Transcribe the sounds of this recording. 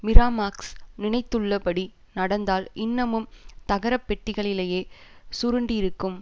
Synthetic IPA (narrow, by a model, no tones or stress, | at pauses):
mɪɾaːmaːksnɪnɐɪt̪ːɯɭːɐpɐɽi | nɐɽɐnd̪aːlɪnːɐmɯmt̪ɐɣɐɾɐpːɛʈːɪɣɐɭɪleːjeːsʊɾɯɳɖiɪɾɯkːɯm